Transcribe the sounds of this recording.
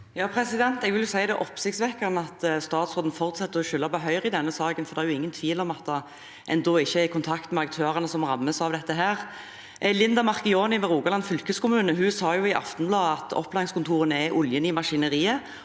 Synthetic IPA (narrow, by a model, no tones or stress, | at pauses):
jɑːpʰɾɛsɪd̪ɛnt̪ɛɡʋɪljʊsæɪd̪ɛʔɔpsɪkt̪sʋɛkːəʁnəɑt̪st̪ɑːt̪sʁoːd̪n̩fɔʁt̪sɛt̪ːəɾɔʃʏlːɑpɔɦœʏʁɪd̪ɛnːəsɑːɡənfɔɾd̪ɛɛɾjʊɪŋːənt̪ʰʋiːlɔmɑt̪̚d̪ɑ | ʔɛ̰nd̪oːɪçːəɛɪkʰʊnt̪ʰɑkt̪mɛɑk̚t̪ʰøːʁənəsɔmʁɑmːəsɑʋd̪ɛt̪ːəɦæːʁ | ʔlɪnd̪ɑmɑʁkɪoːnɪʋɛɾuːɡɑlɑnfʏlkəskʊmʉːnəɦʉsɑːjʊɪʔɑ̰ft̪ɔnblɑːd̪ɑt̪ɔ̰pːlɑːɪŋskʰʊnt̪ʰuːʁənɛʔʊljənɪmɑʂɪnəʁiːə